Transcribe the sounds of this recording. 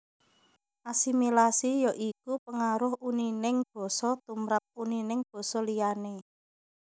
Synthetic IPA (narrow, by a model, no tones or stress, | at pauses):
ʔasimilasijoʔikupəŋaɾʊhuninɪŋb̥ɔ̤sɔt̪umɾat̪̚uninɪŋb̥ɔ̤sɔlijane